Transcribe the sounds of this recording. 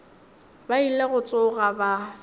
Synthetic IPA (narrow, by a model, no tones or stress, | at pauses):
baileɣʊt͡sʼʊɣaba